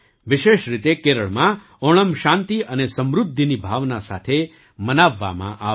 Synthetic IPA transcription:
ʋɪʃeʃɾit̪ekeɾəɭmã | oɽ̃əmʃãnt̪iʔənesəmɾʊd̪ʱːinibʱaʋnasa̰t̪ʰe | mənaʋːa̰mã̰ʔa

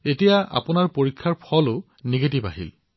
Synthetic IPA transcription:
etijaa̰pʊnaɹpoɹikʰːaɹpʰɔlʊ | niɡet̬ibaɦḭl

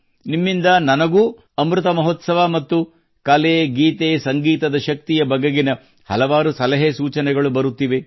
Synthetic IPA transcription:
nimːind̪ɐnɐnɐɡuː | ɐmɾut̪ɐmɐɦoːt̪sɐʋamɐt̪ːu | kɐleːɡiːt̪eːsɐŋɡiːt̪ɐd̪ɐʃɐk̚t̪ijɐbɐɡɐɡinɐ | hɐ̰lɐʋaːɾusɐlɐɦesuːt͡ʃɐnɛɡɐɭubɐɾut̪ːiːʋe

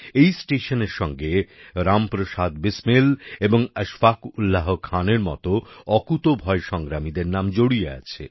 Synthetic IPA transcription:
ejsʈeʃoneɾʃɔŋɡeɾampɾoʃad̪bismeleboŋəʃfakulːaɦokʰaneɾmɔ̰t̪oɔkut̪obʱɔeʃɔŋɡɾamid̪eɾnamd͡ʑoɽiea̰t͡ɕʰḛ

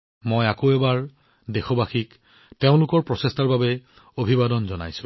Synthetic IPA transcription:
mojakoɛbaɹ | dexɔbaxik | teʊ̃lʊkɔɹpɹɔsestaɹbabɛ | obʱibadɔnzɔna̰jsʊ̥̃

